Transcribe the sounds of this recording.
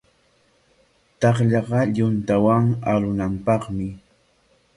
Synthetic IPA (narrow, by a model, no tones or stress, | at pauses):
t̪ɑχʎɑɢɑʎʊnt̪awaŋaɾʊnampɑχmɪ